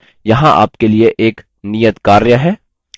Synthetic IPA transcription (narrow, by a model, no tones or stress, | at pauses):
jɐɦãʔa̰ːpkelieʔeːk | nijət̪kaːɾjəɦɛː